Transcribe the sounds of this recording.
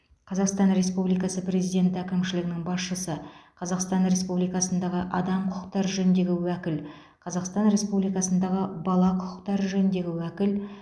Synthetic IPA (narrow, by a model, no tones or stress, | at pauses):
qʰɑzɑqst̪ɑnɾe̞spublijkɑsəpre̞zijd̪ʲe̞nt̪ækʲɪmʃɪlɪɡʲɪnɪŋbɑsʃəsəqʰɑzɑqst̪ɑnɾe̞spublijkɑsənd̪ɑʁəʔɑd̪ɑmqʰʊəqt̪ɑɾʒɵɪnd̪e̞ɡʲɪwækʲɪl | qʰɑzɑqst̪ɑnɾe̞spublijkɑsənd̪ɑʁəbɑlˠɑqʰʊ̥qə̥qt̪ɑɾʒɵɪnd̪e̞ɡʲɪwækʲɪl